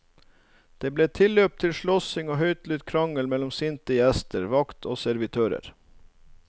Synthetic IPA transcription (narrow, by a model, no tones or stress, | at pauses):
d̪̥eːbleːt̪ʰɪløːp̚t̪ʰɪlʃɭɔsɪŋoːɦœʏt̪lʉt̪kʰɾɑŋəlmɛlɔmsɪnt̪əɛst̪əɾʋɑkt̪ʰo̰ːsæɾʋɪt̪ʰøːɾə̰ɾ